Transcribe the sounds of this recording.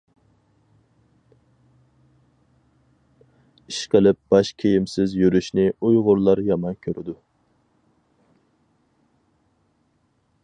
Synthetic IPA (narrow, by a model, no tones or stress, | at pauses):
iʃqʰəlɪp̚b̥ɑʃkʲʰejimsɪzjyɾyʃnɪujʁʊɾlˠɑɾjɑmɑnkʲʰøɾʔɪd̪u